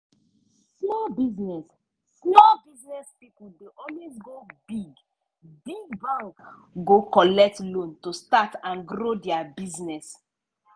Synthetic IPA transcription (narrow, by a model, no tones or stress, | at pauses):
smɔbiznɛsː | mɔbiznɛspipuldeʔɔlwezɡobiɡ | biɡ̚bãŋk | ɡokɔlɛk̚tlõntostatãnɡɾodɛabiznɛs